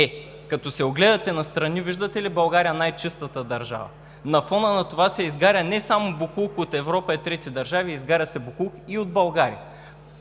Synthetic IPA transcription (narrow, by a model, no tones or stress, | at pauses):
ɛ | kɐt̪ɔsɛoɡlɛd̪ɐt̪ɛnɐst̪ɾɐniviʒd̪ɐt̪ɛlibɐlˠɡaɾijɐnajt͡ʃist̪ət̪əd̪ɐɾʒa̰vɐ̰ | nɐfɔnənɐt̪ovasɛizɡaɾʲənɛsamobukuxot̪ɛvɾɔpɐɛt̪ɾɛt̪id̪ɐɾʒaviːzɡaɾʲəsɛbukuxiod̪̚bɐlˠɡaɾijə